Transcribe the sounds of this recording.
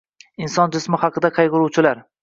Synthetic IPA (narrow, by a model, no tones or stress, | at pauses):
ɪnsɒnd͡ʒɪsmɪhɑqʰɨd̪aqʰɑjʁʊɾuwt͡ʃʰɪlaɾ